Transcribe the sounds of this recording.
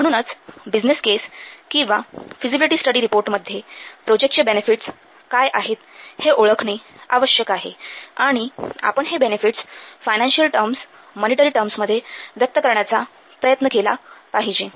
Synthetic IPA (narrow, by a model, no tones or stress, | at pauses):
m̤əɽ̃uːnət͡sbid͡ʑneskeskĩw̃ʋafid͡ʑibiliʈiːsʈəɽiːɾipoɾʈməd̪ʱːjepɾod͡ʑekʈ̚t͡ɕəbenefiʈs | kajʔaɦet̪heʔoɭəkʰɳiaʋəɕjəkaɦḛaɽ̃ia̰pəɳɦebenefiʈsfajnãnɕiəlʈəɾms | məniʈəɾiːʈəɾmsməd̪ʱːjeʋjək̚t̪əkəɾɳjat͡sa | pɾəjət̪nəkelapaɦid͡ʑi